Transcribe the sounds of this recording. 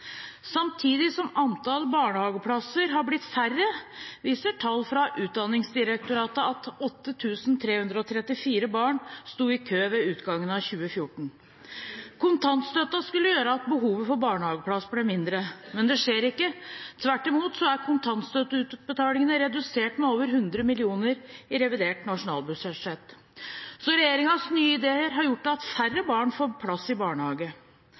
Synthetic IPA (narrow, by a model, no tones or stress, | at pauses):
sɑmt̪ʰiːd̪ɪsɔmɑnt̪ʰɑlbɑːɳəhɑːɡəpʰlɑsəɾɦɑɾblɪt̪færːəʋiːsəʈʰɑlːfɾɑʔʉːt̪̚d̪ɑnːɪŋsd̪ɪɾɛk̚t̪ʊɾɑːt̪əɑt̪ɔt̪ːət̪ʰʉːsn̩t̪ʰɾeːhʉnd̪ɾəɔt̪ʰɾɛt̪ːɪfiːɾəbɑːɳst̪uːɪkʰøːʋɛʉːt̪ɡɑŋːənɑçʉːəfjʊʈɳ̩ | kʰʊnt̪ʰɑnt̪st̪œt̪ːɑskʉlːəjøːɾəɑt̪̚bəɦuːʋəfɔɾbɑːɳəhɑːɡəpʰlɑsːblɛmɪnd̪ɾəmɛnd̪ɛʂeːɾɪkːət̪ʰʋæʈːɪmuːt̪sɔæɾkʰʊnt̪ʰɑnt̪st̪œt̪əʉt̪̚bət̪ʰɑːlɪŋənəɾɛd̪ʉseːʈmɛoːʋəɾɦʉnd̪ɾəmɪlɪuːnəɾɪɾɛʋɪd̪eːʈnɑʂʊnɑ̰ːlˠbʉsɛʂɛt̪ | sɔɾɛjeːɾɪŋɑsnyːəɪd̪eːəɾɦɑɾjʊʈ̚ːd̪ɛɑt̪færːəbɑːɳfoːɾpʰlɑsːɪbɑːɳəhɑːɡə